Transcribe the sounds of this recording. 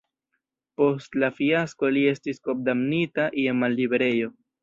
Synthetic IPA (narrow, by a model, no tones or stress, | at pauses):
po̞stlafiasko̞lie̞stisko̞b̚damnitaʔiemalːibeɾe̞jo̞